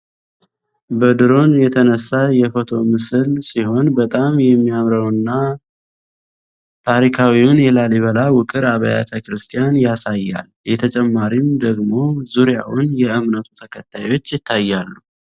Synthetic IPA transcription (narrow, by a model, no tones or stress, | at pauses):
bəd̪ɨɾo̞njɛt̪ʰənəsːajɛfo̞t̪ʰo̞mɨsɨlsiho̞nbət̪ʼamjɛmːijamɾəwɨnːa | t̪ʰaɾikʰawiʊnjɛlaliβəlawʊkʼɨɾaβəja̰t̪ʰəkɾɨst̪ʰijanjasajːa̰l | jɛt̪ʰət͡ʃʼɛmːaɾimd̪əɡmo̞zuɾja̰wʊnjɛɨmnət̪ʰut̪ʰəkʰət̪ʰːajo̞t͡ʃːjɪt̪ʰːajːalːu